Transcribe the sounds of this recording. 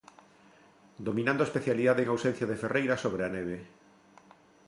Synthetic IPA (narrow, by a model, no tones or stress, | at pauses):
d̪omĩnãnd̪oespeθjaliðaðeŋawsen̟θjaðeferejɾasoβɾeaneβe